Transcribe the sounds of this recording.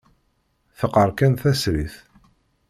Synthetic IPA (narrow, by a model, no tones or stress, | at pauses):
θəqːəɾˤkænθæsɾiθ